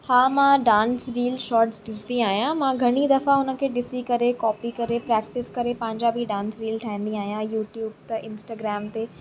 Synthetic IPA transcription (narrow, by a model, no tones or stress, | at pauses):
haːmãɖãːnsɾiːlʃɔːʈsʈɪsd̪iaːɦijãmãɡʱɐɽ̃id̪ɐfaʊnə̆kʰeːɗɪsikɐɾekɔːpikɐɾepɾɛːk̚ʈɪskɐɾepɐ̃ɦɪ̃ɲd͡ʑabʱiɖãːnsɾiːlʈʰaɦĩːnd̪iaːɦijãjuːʈjuːb̚t̪ɐʔɪ̃nsʈaːɡɾɛːmt̪eː